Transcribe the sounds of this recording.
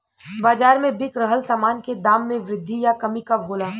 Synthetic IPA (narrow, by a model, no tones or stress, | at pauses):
baːd͡ʒaːɾmẽbɪkɾəɦəlsaːmaːnked̪aːmːẽʋɾɪd̪ʱːijakɐmikaɦoːlaː